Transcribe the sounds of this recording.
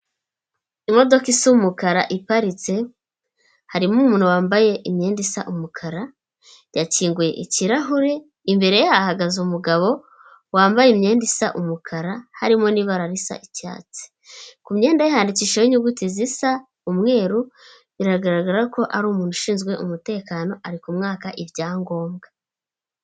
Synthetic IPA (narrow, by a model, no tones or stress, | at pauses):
imo̞do̞kisumukaɾaʔipaɾit͡se̞ | haɾimumuːn̥huwaːmbaje̞ʔimɲe̞ːndisaʔumukʰaɾa | jaciːŋɡuje̞̰ʔiciɾaɦuɾe̞ | imbe̞ɾe̞jahaɡazumuɡaβo̞ | waːmbajemɲe̞ːndisaʔumukʰaɾahaɾimo̞niːβaɾaɾisa̰ʔica̰ːt͡se̥ | kumɲe̞ːndajahaːndiciːʃajiɲuɡutizisa | umŋe̞ːɾu | iɾaɡaɾaɡaɾako̞ʔaɾuːmuːn̥huʃiːnzɡwe̞ʔṵmute̞ːkaːno̞ʔaɾikumŋaːkaʔivɟaːŋɡo̞ːmɡḁ